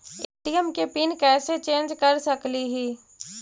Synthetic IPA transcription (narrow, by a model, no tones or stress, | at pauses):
eːʈijəmkepinkɛːset͡ʃẽːnd͡ʒkɐɾsɐkliɦiː